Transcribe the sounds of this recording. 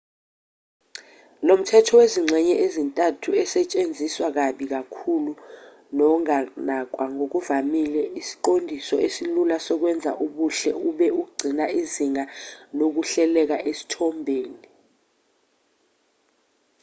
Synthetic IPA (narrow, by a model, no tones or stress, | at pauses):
lom̩tʰɛtʰɔweziŋ͡ǀʱɛɲɛʔezintʼatʰuɛsɛt͡ʃʼend͡zʱiswak̬aɓik̬akʰulu | nɔŋanak̬ʼwaŋok̬uvamilɛisi̥ǃondʱisɔ̰ʔesilulasɔk̬wɛnd͡zʱa̰ʔuɓuɬɛuɓɛuɡ͡ǀʱinaiziŋanok̬uɬɛlɛk̬aʔesi̥tʰɔmbʱeːni